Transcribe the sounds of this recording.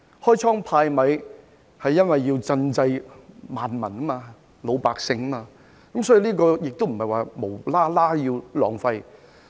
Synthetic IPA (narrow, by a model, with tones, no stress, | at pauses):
hɔː˥jt͡sʰɔː˥ŋpʰaː˧jmɐ˨˧j | hɐ˨jːɐ˥nwɐ˨jːiː˧wt͡sɐ˧nt͡sɐ˧jmaː˨nmɐ˨˩nɐ˥maː˧ | lo˨˧wpaː˨k̚sɪ˧ŋɐ˥maː˧ | kɐ˨˦msɔː˨˥jiː˨˧liː˥kɔː˧jɪ˨k̚t̪o˥wm̩˨˩hɐ˨jwaː˨mo˨˩wlaː˥laː˥ji˧wlɔ̰ː˨ŋfɐ˧j